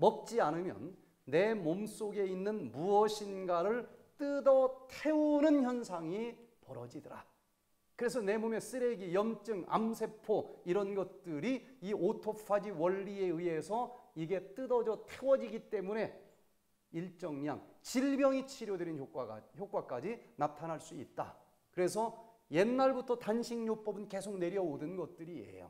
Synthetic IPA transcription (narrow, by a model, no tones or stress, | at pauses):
mʌk̚t͡ɕ͈ianɯmjʌ̰nː | e̞moms͈oɡe̞inːɯnmuʌɕʰinɡaɾɯɭt͈ɯdʌtʰe̞unɯnçjʌnsʰaŋipʌɾʌd͡ʑidɯɾa̰ | kɯɾe̞sʰʌne̞mome̞s͈ɯɾe̞ɡijʌmt͡ɕ͈ɯŋa̰msʰe̞pʰoiɾʌnɡʌt̚t͈ɯɾiiʔotʰopʰad͡ʑiwʌɭːie̞ɯe̞sʰʌiɡe̞t͈ɯdʌd͡ʑʌtʰewʌd͡ʑiɡit͈e̞mune̞ | iɭt͡ɕ͈ʌŋɲa̰ŋt͡ɕiɭbjʌŋit͡ɕʰiɾjodeɾinçokwaçjok͈wak͈ad͡ʑinatʰanɦaɭs͈uit̚t͈a̰ | kɯɾe̞sʰʌ | je̞nːaɭbutʰʌtanɕʰiŋɲop͈ʌbɯnke̞sʰok̚ne̞ɾjʌodɯnɡʌt̚t͈ɯɾie̞̰jo̰